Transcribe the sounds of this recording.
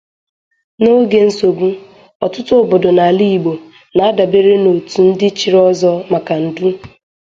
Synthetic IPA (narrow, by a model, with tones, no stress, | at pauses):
no˦ɡe˨n̩˦so˨ɡu˦ | ɔ˨tʊ˦tʊ˦bʊ˨dʊ˨na˨li˦i˨ɡ͡bo˨ | na˨a˦da˨be˦ɾe˦no˨tu˨n̩˦dɪ˦t͡ʃi˨ɾɔ˦zɔ˦ma˨ka˨n̩˨du˦